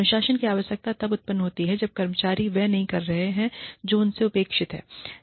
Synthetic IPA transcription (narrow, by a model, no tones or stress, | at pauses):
nʊʃaːʃənkiaːʋəʃjək̚t̪at̪ɐbʊt̪̚pənːɦoːt̪iɦɛd͡ʒɐb̚kɐɾmət͡ʃaːɾiʋɛnɐɦĩkɐɾːɐɦeɦɛ̃d͡ʒoːʊnseʊpeːkʃɪt̪ɦɛ̰ː